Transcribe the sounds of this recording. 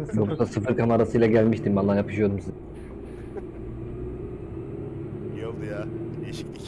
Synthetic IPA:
joksasɯfɯɾkʰamaɾasɯjlˠaɟælʲmiʃt̪ʰimbanːˠaɾjapʰɯ̥ʃɯjo̞d̪umsiz | jeʃii

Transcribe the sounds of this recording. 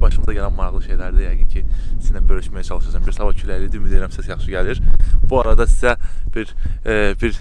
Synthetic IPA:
bɑʃɯmɯzɑɟælænmɑɾɑɣlˠɯʃejlæɾd̪æjæɡincʰisizd̪æbøɾlyʃmæjæt͡ʃʰɑlˠɯʃɯɾsʰɑmbiɾsɑbɑcʰylælid̪imid̪ijɾæmsʰisjɑχʃɯɟæliɾbuɑɾɑd̪ɑsi̥zæb̥iɾbiɾ

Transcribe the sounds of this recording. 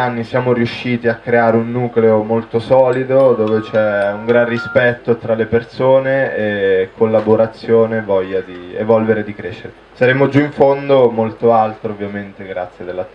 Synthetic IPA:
anːisjaːmoɾiuʃːiːt̪iakːɾeaːɾeunːuːkleomolt̪osɔːlid̪od̪oːvet͡ʃɛuŋɡɾanrːispɛt̪ːot̪ɾalepersoːneekʰːolːaboɾat̪sːjoːnevɔʎːad̪iḛvɔlveɾed̪ikɾeʃːeɾe | saɾeːmod͡ʒuiɱfond̪omolt̪oalt̪ɾoovːjament̪eɡɾat̪sːjed̪elːat̪

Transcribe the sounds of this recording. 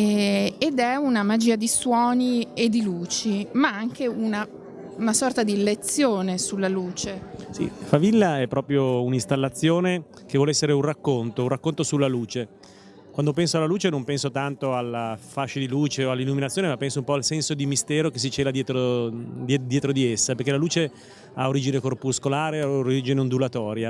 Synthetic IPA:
ɛed̪ɛunamad͡ʒiːad̪iswɔːnied̪iluːt͡ʃimaaŋkeuna | nasɔrt̪ad̪ilet̪sːjoːnesulːaluːt͡ʃesḭfavilːaɛpːɾɔːpɾjounist̪alːat̪sːjoːne | k̟evɔːleɛsːeɾeunrakːont̪ourakːont̪osulːaluːt͡ʃe | kwand̪op̬ɛnsoalːaluːt͡ʃenõmpɛnsot̪ant̪oalːafaʃːad̪iluːt͡ʃeoalːilːuminat̪sjoːnemapːɛnsoumpɔalsɛnsod̪imist̪ɛːɾokes̬ːit͡ʃeːlad̪jɛːt̪ɾod̪d̪jɛːt̪ɾod̪iesːapeɾk̟elaluːt͡ʃe | aoɾiːd͡ʒinekorpuskolaːɾeaoɾiːd͡ʒineond̪ulat̪ɔːɾja

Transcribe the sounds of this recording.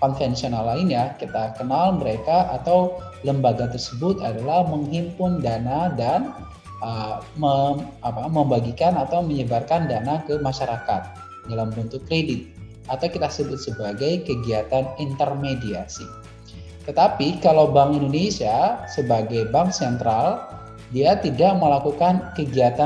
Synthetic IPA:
kɔnfɛnsionalːaɪnjakit̪akənalməɾekaʔat̪aw | ləmbaɡat̪ərsəbʊt̪adalahməŋɦimpʊndanadan | əmə | apaməmbaɡikanat̪awməɲəbarkandanakəmaʃaɾaka̰t̪̚ | dalambənt̪ʊkːɾedɪt̪̚ | at̪awkit̪asəbʊt̪̚səbaɡajkəɡiat̪anint̪ərmediasḭ | t̪ət̪apikalawbaŋindonesiasəbaɡajbaŋksɛnt̪ɾal | diat̪idaʔməlakukankəɡiat̪a

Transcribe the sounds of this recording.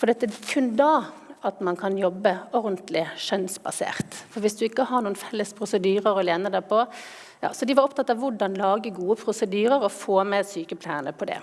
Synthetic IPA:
fɔd̪ɛɑt̪ːəkʰʉnd̪ɑːɑt̪mɑnkʰɑnjɔbːəɔɾd̪n̩t̪lɪʃœnsbɑsḛːʁt̪fɔɾʋɪsd̪ʉɪkːəhɑɾɳuːənfɛlːəspʰɾʊsəd̪yːɾəɾɔleːnəd̪æpʰɔ | jɑ̰ːsɔd̪ɪʋɑɾɔpt̪ʰɑt̪ːɑʋʋʊɖɑnlɑːɡəɡuːəpʰɾʊsəd̪yːɾəɾɔfoːmɛsyːkəpʰlæɪənəpʰɔd̪ɛ̰

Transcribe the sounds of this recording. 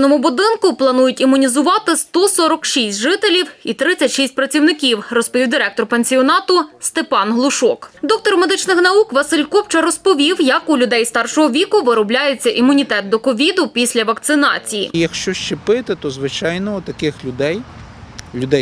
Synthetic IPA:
nɔmʊbʊd̪ɪnkʊplˠɐnujʊtʲimʊnʲizʊʋɑt̪ɪst̪ɔsɔɾɔkʃisʲtʲʒɪt̪elʲiwit̪ɾɪt͡sʲːɐtʲʃisʲt̚ʲpɾɐt͡sʲiwnɪkʲiwrɔspɔʋʲiwd̪ʲiɾɛk̚t̪ɔrpenʲsʲiɔnɑt̪ʊst̪epɑnɦlˠʊʃɔkd̪ɔk̚t̪ɔrmed̪ɪt͡ʃnɪxnɐukʋɐsɪlʲkɔpt͡ʃɐɾɔspɔʋʲiwjɐkʊlʲʊd̪ɛjst̪ɑrʃɔɦɔʋʲikʊʋɪɾɔblʲajet͡sʲːɐʔimʊnʲit̪ɛt̪̚d̪ɔkɔʋʲid̪ʊpʲisʲlʲɐʋɐkt̪sɪnɑ̰t͡sʲijḭjɐkʃt͡ʃɔʃt͡ʃɪpɪt̪ɪt̪ɔzʋɪt͡ʃɑjnɔʊt̪ɐkɪxlʲʊd̪ɛj | lʲʊd̪ɛj

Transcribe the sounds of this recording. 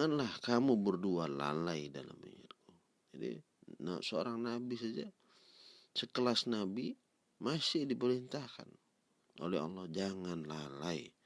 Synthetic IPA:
anlahkamubərduala̰laidala̰mḭŋa̰t̪̚ku | d͡ʒadḭ | na̰səo̰ɾaŋnabisad͡ʒa | səkəlasnabi | masɪdipəɾint̪ahka̰n | o̰lɛɦɑ̰lːɔhd͡ʒaŋanlalai

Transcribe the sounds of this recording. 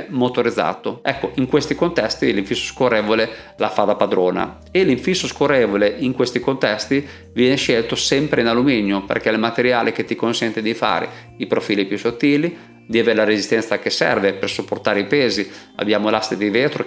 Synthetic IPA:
mot̪oɾid̪zːa̰ːt̪oɛkːoiŋkwest̪ikont̪ɛst̪iliɱfisːo̥skorːeːvole | lafad̪apad̪ɾoːna̰ | eliɱfisːoskorːeːvoleʔiŋkwest̪ikont̪ɛst̪i | vjɛːneʃɛlt̪osɛmpɾeinalumiɲjopḛrk̟ɛlmat̪eɾjaːlek̟et̪ːikonsɛnt̪ed̪ifa̰ːɾḛ | ipɾofiːlipjusot̪ːiːli | d̪iaveːɾelaɾezist̪ɛnsakesɛ̰rvepersupːort̪aːɾeipeːzi | a̰bːjaːmolast̪ed̪iveːt̪ɾo̰

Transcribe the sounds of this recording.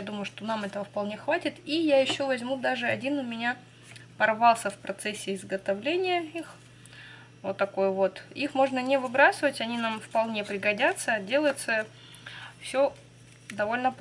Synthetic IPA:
jad̪uməjʊʂt̪o̞namɛt̪əvəfpɐlˠnʲexvatʲɪt̪ijajɪɕːo̞vɐzʲmud̪aʐɨɐdʲinʊmʲɪnʲa | pɐrvɑlˠsʲəfpɾʔɐt̪sesʲːɪɪzɡət̪ɐvlʲenʲɪjəix | vot̪ːɐko̞jəvo̞t̪ixmo̞ʐnənʲɪvɨbɾasɨvətʲɐnʲinamfpɐlˠnʲe̞pɾʲɪɡɐdʲat̪sədʲe̞lˠəjɪt̪sə | fsʲo̞ | d̪ɐvo̞lʲnəp

